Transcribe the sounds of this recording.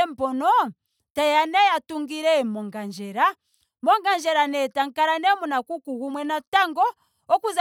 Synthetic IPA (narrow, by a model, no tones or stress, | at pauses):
ɛm̩pɔnɔ | tajanɛjatuŋɡiɾɛmɔŋɡand͡ʒɛɾa | mɔŋɡand͡ʒɛɾanɛtaŋkaɾanɛmunakukuɣumwɛnataŋɡɔ | ɔkuz